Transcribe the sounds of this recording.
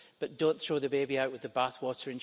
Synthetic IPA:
b̥ʌʔd̥õnθɹ̥oːðəbebiaʊʔwɪðəbaθwɔʔə˞ɨ̃n

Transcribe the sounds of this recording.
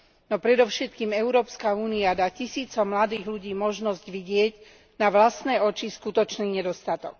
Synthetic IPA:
nɔpɾɛd̪ɔʊʃɛt̪kiːmɛʊɾɔːpskauːniad̪aːcisiːt͡sɔmlad̪iːɣluɟiːmɔʒnɔzɟʋiɟɪɛɟ | naʋlast̪nɛːɔt͡ʃiskut̪ɔt͡ʃniːɲɛd̪ɔst̪at̪ɔk̚

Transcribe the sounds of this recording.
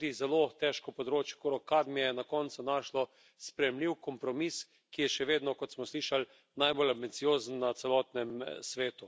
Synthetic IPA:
d̪izɛloːt̪ɛʃkɔpɔd̪ɾoːt͡ʃjɛ̥koɾɔkad̪mijɛnakɔnt̪sunaːʃlɔ | spɾɛjɛmliwkɔmpɾɔmis | kijɛʃɛʋeːd̪nɔkɔt̪smɔsliːʃal | najbolambinsijoːzənːat̪sɛlɔːt̪nɛmsʋeːt̪u

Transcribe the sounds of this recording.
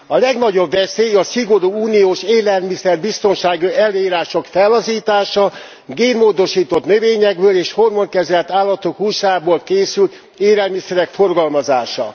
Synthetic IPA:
ɒlɛɡnɒɟo̞bvɛseːjɒsiɡo̞ɾuːuːnijoːʃeːlɛlmisɛrbist̪o̞nʃaːɡiɛlːøːiːɾaːʃo̞kfɛlːɒziːt̪aːʃɒ | ɡeːnmoːd̪o̞ʃiːt̪o̞t̪nøveːɲɛɡ̚bøːleːʃho̞rmoŋkɛzɛlt̪aːlːɒt̪okhuʃaːboːlkeːsylt̪ | eːlɛlmisɛɾɛkfo̞rɡɒlmɒzaːʃɒ

